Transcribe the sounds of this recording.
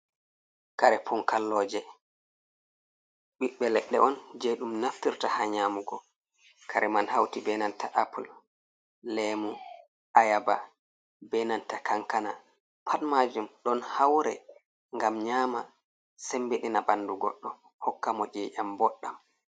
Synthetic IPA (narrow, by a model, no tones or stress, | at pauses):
kaɾɛpʰɔŋkalːɔːd͡ʒɛ | ɓiɓːɛlɛɗːɛ̰ʔɔnd͡ʒɛɗumnaftiɾtahaɲaːmuɡɔ | kʰaɾɛmanhawtibɛnantaʔapul | lɛmu | ajaba̰ | bɛnantakaŋkana̰ | pʰatmad͡ʒumɗɔnhawɾɛ̰ | ŋɡamɲaːma | sɛmbeɗinabanduɡɔ̰ɗːɔ | hɔkːamɔd͡ʒɛːʔambɔɗːam